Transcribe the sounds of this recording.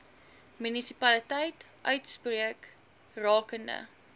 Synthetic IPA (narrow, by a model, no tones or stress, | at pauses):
mynisipɐlitɛjtʔœɥtspriək | rɑːkəndə̰